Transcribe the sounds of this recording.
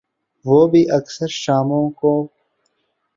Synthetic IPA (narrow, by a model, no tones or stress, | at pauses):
ʋoːbʱiʔɐksəɾʃaːmõːkoː